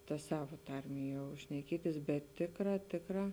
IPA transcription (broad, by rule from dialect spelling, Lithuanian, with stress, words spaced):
tɐ ˈsɑːʋɐ ˈtɐrʲmʲeː jɛʊ ʃʲnʲɛˈkʲiɛtʲɪs bʲɛt ˈtʲeːkˌrɑː ˈtʲeːkˌrɑː